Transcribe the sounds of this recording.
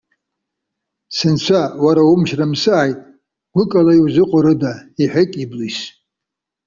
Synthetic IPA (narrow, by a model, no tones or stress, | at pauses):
sɨnt͡ʃʷʰawaɾaumʃramsɨʕajtʼ | ɡʷʊkʼalaiwzɨqʷʼʊɾɨdaiħʷᶣekʼiblis